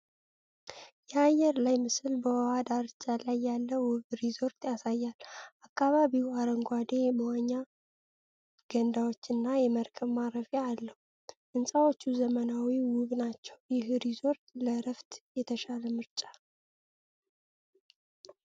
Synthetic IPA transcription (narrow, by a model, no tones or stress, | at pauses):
jɛajːɛɾlajmɨsɨlbəwɔwad̪aɾt͡ʃʼːalajːalːəwʊβɾizo̞ɾt̪jasajːalʔakʰːaβaβiwaɾəŋɡʷad̪e̞bəwaɲːa | ɡ̥ənd̪awot͡ʃːɨnːajɛməɾkʰəβmaɾəfealːəhu | ʔɨnsʼawo̞t͡ʃːuzəmənawiwʊβnat͡ʃːɛwjɪhɾizo̞ɾt̪ləɾəft̪jɛt̪ʰəʃaləmɨɾt͡ʃʼḁ